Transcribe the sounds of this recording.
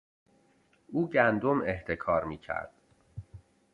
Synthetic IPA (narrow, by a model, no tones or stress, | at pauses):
ʔuːɟænd̪omeht̪ʰekʰɒːɾmiːcʰæ̰ɾd̪̥̚